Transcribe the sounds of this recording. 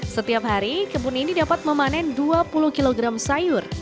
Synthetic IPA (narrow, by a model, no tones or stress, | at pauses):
sət̪iapɦaɾikəbuninidapat̪̚məmanɛnduapuluhkiloɡɾamsajʊr